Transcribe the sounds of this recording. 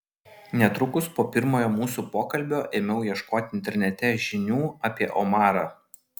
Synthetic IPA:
nʲɛt̪ɾʊkʊspoːpʲɪɾmoːjoːmuːsuːpoːkɐlʲbʲoːʔeːmʲɛʊjiɛʃkoːt̪ʲɪɪnʲt̪ʲɛɾʲnʲɛt̪ʲɛʒʲɪnʲuːɑpʲiɛʔɔmɑːɾɑ

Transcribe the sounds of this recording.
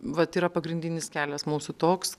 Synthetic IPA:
ʋɐt̪iːɾɐpɐɡɾʲɪnʲd̪ʲɪnʲɪskʲæːlʲɛsmuːsʊt̪oːks

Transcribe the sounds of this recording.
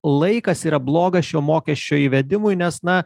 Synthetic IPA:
lˠɐɪkɐsiːɾɐblˠoːɡɐsʃʲoːmoːkʲɛʃʲt͡ʃʲoːiːʋʲɛd̪ʲɪmʊɪnʲɛsnɐ

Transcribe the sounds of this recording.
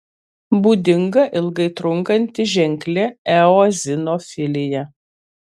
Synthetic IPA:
buːd̪ʲɪŋɡɐʔɪlˠɡɐɪt̪ɾʊŋˑkɐnʲt̪ʲɪʒʲɛŋʲklʲɛɛozʲɪnoːfʲɪlʲɪjɛ

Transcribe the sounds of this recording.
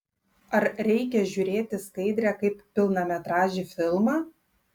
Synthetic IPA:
ɐɾɾʲɛɪkʲɛʒʲʊːɾʲeːt̪ʲɪskɐɪd̪ʲɾʲɛkɐɪppʲɪlˠnɐmʲɛt̪ɾɑːʒʲɪfʲɪlˠmɑː

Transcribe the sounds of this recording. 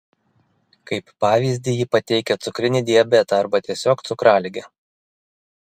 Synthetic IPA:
kɐɪpːɑːʋʲiːzʲd̪ʲɪjipɐt̪ʲɛɪkʲɛt̪sʊkɾʲɪnʲɪd̪ʲiɛbʲɛt̪ɑɐɾbɐt̪ʲiɛsʲoːkt̪sʊkɾɑːlʲɪɡʲɛ

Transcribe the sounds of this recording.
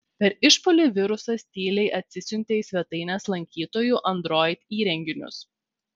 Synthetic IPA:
pʲɛɾɪʃpolʲuʋʲɪɾʊsɐsʲt̪ʲiːlʲɛɪʔɐt̪ʲsʲɪsʲʊnʲt̪ʲesʲʋʲɛt̪ɐɪnʲɛːslˠɐŋʲkʲiːt̪oːjuːˑʔɐnd̪ɾoːjt̪ʲiːɾʲɛŋʲɡʲɪnʲʊ̰s

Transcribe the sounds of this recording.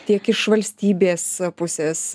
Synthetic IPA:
t̪ʲiɛkɪʃʋɐlʲsʲt̪ʲiːbʲeːspʊsʲeːs

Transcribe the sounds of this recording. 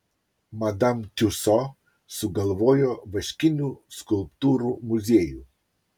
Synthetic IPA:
mad̪amt̪ʲusɔ | suɡɐlvɔːjɔvəʃkinʲuskulpt̪uːɾumuzʲeju

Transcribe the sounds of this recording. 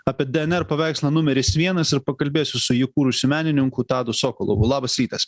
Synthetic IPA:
ɑːpʲiɛd̪ʲɛɛnɛɾpɐʋʲæˑɪkslˠɐnʊmʲɛɾʲɪsʋʲiɛnɐsɪɾpɐkɐlʲbʲeːsʲʊsʊjɪkuːɾʊsʲʊmʲæːnʲɪnʲɪŋkʊt̪ɑːd̪ʊsoːkolˠo̰ʋʊlˠɑːbɐsɾʲiːt̪ɐs

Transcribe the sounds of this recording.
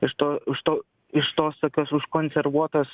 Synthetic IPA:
ɪʃt̪oːɪʃt̪oː | ɪʃt̪oːst̪oːkʲoːsʊʃkoːnʲsʲɛɾʋuɔt̪oːs

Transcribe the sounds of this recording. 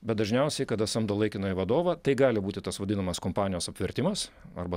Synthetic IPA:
bʲɛt̪̚d̪ɐʒʲnʲɛʊsʲɛɪkɐt̪ɐsɐmd̪olˠɐɪkʲɪnoːɪʋɐd̪oːʋɐt̪ɐɪɡɑːlʲɪbuːt̪ʲɪt̪ɐsʋɐdʲɪnɐmɐskoːmpɑːnʲɪjoːsɐpʲʋʲɪɾʲt̪ʲɪmɐsɐ̰rbɐ

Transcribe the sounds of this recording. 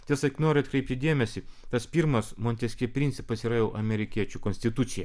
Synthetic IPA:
t̪ʲiɛsɐknoːɾʲʊɐt̪kɾʲɛɪp̚ʲt̪ʲɪd̪ʲeɛmʲɛsʲɪt̪ɐspʲiːɾmɐsmonʲt̪ʲɛsʲkʲiɛpʲɾʲɪnt̪sʲɪpɐsiɾɐjɛʊʔɐmʲɛɾʲɪkʲiɛt͡ʃʲukonʲsʲt̪ʲɪt̪ut̪sʲɪjɛ

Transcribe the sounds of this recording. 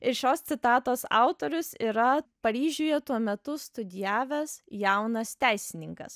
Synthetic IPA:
ɪɾʃʲoːst̪sʲɪt̪ɑːt̪oːsɑ̰ˑʊt̪oːɾʲʊsiːɾɐpɐɾʲiːʒʲʊːjɛt̪uɔmʲɛt̪ʊst̪ʊd̪ʲɪjæːʋʲɛsjɛˑʊnɐst̪ʲæˑɪsʲɪnʲɪŋkɐ̰s

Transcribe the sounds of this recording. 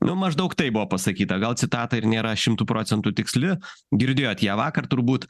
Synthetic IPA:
nʔʊmɐʒd̪ɐʊkt̪ɐɪbʊʋoːpɐsɐkʲiːt̪ɐɡɐlˠt͡sʲsʲɪt̪ɑːt̪ɐɪɾnʲeːɾɐʃʲɪmt̪uːpɾoːt͡sʲɛnt̪uːt̪ʲɪksʲlʲɪɡʲɪɾʲd̪ʲeːjoːt̪jæːʋɑːkɐrt̪ʊɾbuːt̪

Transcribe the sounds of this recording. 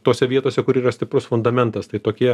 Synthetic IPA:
t̪oːsʲɛʋʲiɛt̪oːsʲɛkʊɾiːɾɐsʲt̪ʲɪpɾʊsfʊnd̪ɐmʲɛnt̪ɐst̪ɐɪt̪oːkʲiɛ

